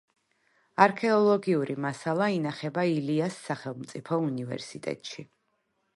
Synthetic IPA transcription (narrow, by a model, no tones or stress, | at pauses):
aɾkʰɛɔlˠɔɡiuɾimasalˠainaχɛbailiasːaχɛlˠmt̪sʼipʰɔunivɛ̰ɾsit̪ʼɛ̰t̪ʼʃi